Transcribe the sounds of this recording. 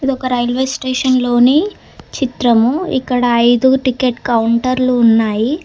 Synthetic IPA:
id̪ɔkɐɾɐjlʋesʈeːʂɐnlo̞ːni | t͡ʃit̪ɾɐmuḭkːɐɽɐːjd̪uʈikeʈkɐwuɳʈɐɾluːnːaːji

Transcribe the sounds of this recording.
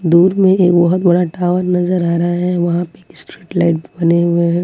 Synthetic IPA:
d̪uːɾmẽeːkbɐɦʊt̪bɐɽaʈaːʋəɾnɐzəɾaːɾɐɦaɦɛʋɐɦãpeːkɪsʈɾiːʈlaɪʈ̚bɐneweɦɛ̃

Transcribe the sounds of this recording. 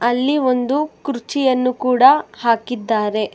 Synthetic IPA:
ɐlːio̞nd̪ukɾut͡ʃijɐnːukuːɽɐhaːkid̪ːaːɾe̞

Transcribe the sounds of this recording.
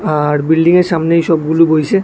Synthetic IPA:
aɾbilɖiŋeɾʃamneʃɔb̚ɡulubojʃe

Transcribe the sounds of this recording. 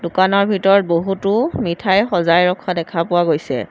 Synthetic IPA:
dʊkanɔɹbʱitɔɹɔt̚boɦutʊmitʰajxɔzajɹɔkʰːɔdɛkʰapʊwaɡojsɛ̰

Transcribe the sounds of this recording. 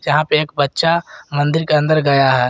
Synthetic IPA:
jɐɦãpeeːk̚bɐtːʃamɐ̃nd̪ɪɾkeɐ̃nd̪əɾɡɐjaɦɛː

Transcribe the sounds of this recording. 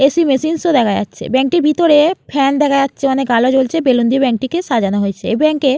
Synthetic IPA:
esimesinsod̪ɛkʰaja̰tːɕʰḛbɛŋk̚ʈiɾbʱit̪oɾepʰɛnd̪ɛkʰajatːɕʰeɔnekɡalod͡ʑolt͡ɕʰebelond̪ibɛŋk̚ʈikeʃad͡ʑanaɦojet͡ɕʰeebɛŋke

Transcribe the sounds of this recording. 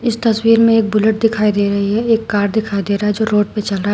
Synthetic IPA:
ɪst̪ɐswiːɾmẽeːk̚bʊləʈ̚d̪ɪkʰaːid̪eːɾɐɦiiɦɛeːkːaːɾd̪ɪkʰaːid̪eːɾaːɦɛd͡ʒoːɾoːʈ̚pẽt͡ʃɐlɾa

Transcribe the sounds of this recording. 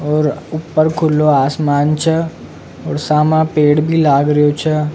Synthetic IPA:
ɔːɾʊpːəɾkʰʊlːoaːsmaːnt͡ʃʰə | ɔːɾsaːmãpeːɽbʱilaːɡɾɐjot͡ʃʰə

